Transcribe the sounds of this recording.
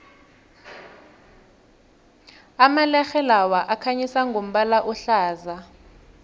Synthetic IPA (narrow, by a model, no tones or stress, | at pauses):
amalɛxɛlawaʔakʰaɲisaŋɡʱom̩ɓalaʔɔɬaːza